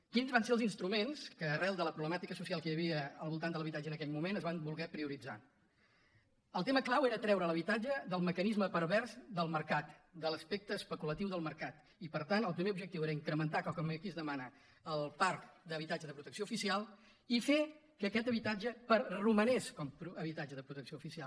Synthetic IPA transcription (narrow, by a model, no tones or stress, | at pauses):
kinzβanseəlzinst̪ɾumenskəːrɛlˠd̪ələpɾuβləmat̪ikəsusialˠkəjəβiəəlˠβulˠt̪and̪ələβit̪ad͡ʒənəkɛʎmumenəzβambulˠɣɛpɾiuɾid͡za̰ | əlˠt̪eməklaweɾət̪ɾɛwɾəːləβ̞it̪ad͡ʒəðəlˠməkənizməpəɾβɛɾzd̪əlˠməɾkat̪d̪ələspek̚t̪əːspəkulət̪iwðəlˠməɾkat̪ | ipəɾt̪anəlˠpɾimeubʒəkt̪iweɾəiŋkɾəmənt̪aklkɔmmikizðəmanə | əlˠpaɾkd̪əβit̪ad͡ʒəðəpɾut̪əksjoufisialˠ | ife | kəkɛt̪əβit̪ad͡ʒəpəruməneskɔmpɾuəβit̪ad͡ʒəðəpɾut̪əksioufisialˠ